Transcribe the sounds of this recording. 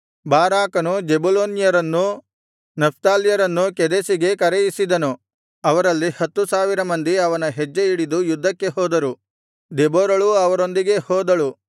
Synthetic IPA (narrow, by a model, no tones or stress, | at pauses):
baːɾaːkɐnud͡ʒebuloːnijɐɾɐnːu | nɐp̚ʰt̪aːlijɐɾɐnːukɛd̪esiɡe̞kɐɾejisid̪ɐnu | ɐʋɐɾɐlːihɐt̪ːusaːʋiɾɐmɐnd̪iɐʋɐnɐɦed͡ʒːeiɽid̪ujud̪ʱːɐkːe̞ɦɔːd̪ɐɾu | d̪eboːɾɐɭuɐʋɐɾo̞nd̪iɡe̞hɔːd̪ɐɭu